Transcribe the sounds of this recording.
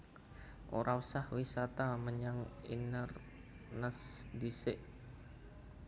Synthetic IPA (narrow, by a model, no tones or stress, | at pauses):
ʔo̰ɾʔausahwisat̪aməɲaŋḭnər | nəsdisɪʔ